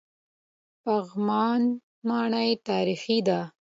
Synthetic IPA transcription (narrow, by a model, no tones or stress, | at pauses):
paɣmɑːn | mɑːɳajt̪ɑːɾixid̪a